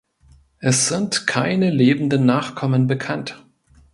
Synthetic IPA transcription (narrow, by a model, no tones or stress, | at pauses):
ʔɛsz̥ɪntkʰaɪnəleːbm̩n̩dənːaːχkʰɔmənbəkʰant